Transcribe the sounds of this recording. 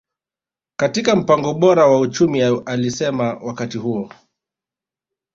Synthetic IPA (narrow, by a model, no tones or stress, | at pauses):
katikam̩paŋɡɔɓɔɾawaut͡ʃumialisɛmawakatihuɔ